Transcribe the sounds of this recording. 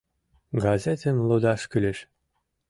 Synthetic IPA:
ɡɑzʲet̪ʲĕnlˠod̪ɑʃkylʲeʃ

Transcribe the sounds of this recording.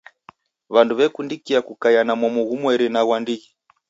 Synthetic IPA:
βanduβɛkundikiakukajanamɔmɔɣumwɛɾinaɣwandiɣi

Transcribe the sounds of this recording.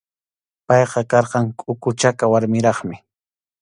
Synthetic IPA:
pɑjqɑkɑɾqɑŋkʼʊkʊt͡ʃakawaɾmɪɾɑχmɪ

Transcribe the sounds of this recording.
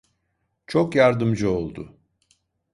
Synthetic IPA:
t͡ʃʰo̞kjaɾd̪ɯmd͡ʒɯo̞lˠd̪ʊ

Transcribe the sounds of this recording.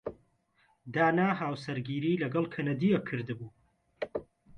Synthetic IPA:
d̪aːnaːɦaːwsɐɾɡiːɾiːlɐɡɐlˠkʰɐnɐd̪ijɐkʰːɨɾd̪ɨbuː

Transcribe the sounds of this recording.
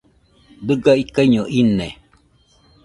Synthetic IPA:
d̪ɨɡaikaiɲoʔine

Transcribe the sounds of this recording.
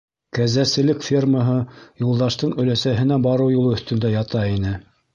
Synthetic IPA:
kæzæsɘ̆lɘkfʲerməɦɤjulˠd̪ɑʃt̪ɤɴɵ̆læsæɦɘ̆næbɑɾɤwjulˠɤɵ̆θt̪ɵ̆nd̪æjɑt̪ɑinɘ

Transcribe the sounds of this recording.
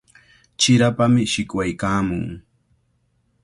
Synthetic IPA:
t͡ʃɪɾapamɪʃɪkwajkaːmʊ̰ŋ

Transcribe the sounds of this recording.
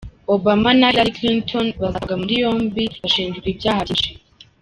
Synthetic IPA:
obamanalaɾiklintʰonβazaɡamuɾijo̞ːmbiβaʃiːnd͡ʒɡiːbɟaːhaiʃe

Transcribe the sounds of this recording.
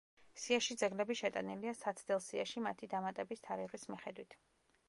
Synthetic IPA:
siaʃid̪zɛɡlɛbiʃɛt̪ʼa̰niliasat̪sʰd̪ɛlˠsiaʃimat̪ʰid̪amat̪ʼɛbist̪ʰaɾiʁismiχɛd̪wit̪ʰ

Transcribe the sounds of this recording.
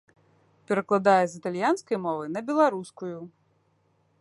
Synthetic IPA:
pʲɛɾɐklˠad̪ajɛzʲit̪alʲjanskɐjmɔvɨnɐbʲɛlˠaɾuskuju

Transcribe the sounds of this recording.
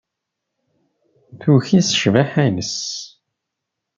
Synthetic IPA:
θuçisə̥ʃvæħænəs

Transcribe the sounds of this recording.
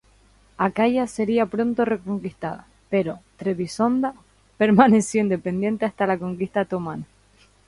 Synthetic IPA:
akaʝase̞ɾiapɾo̞nt̪ore̞ko̞ŋkist̪a̰ða̰ | pe̞ɾo̞t̪ɾe̞βiso̞nd̪a | pe̞ɾmãne̞sjoind̪e̞pe̞nd̪je̞nt̪e̞ast̪alako̞ŋkist̪at̪o̞mãna

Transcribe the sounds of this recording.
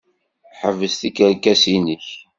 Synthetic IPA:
ħəvːəsθikəɾkːæsinəç

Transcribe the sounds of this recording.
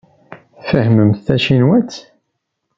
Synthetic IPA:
θfəhməmθθæʃinwæt͡sː

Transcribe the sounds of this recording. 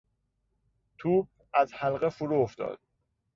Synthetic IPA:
t̪ʰuːb̚ | æzhælɢefuɾuːoft̪ɒ̰ːd̪̥

